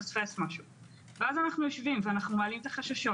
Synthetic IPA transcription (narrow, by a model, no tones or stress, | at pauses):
sfesmaʃu | veazanaχnujo̞ʃvimveanaχnumoalimt̪aχaʃaʃo̞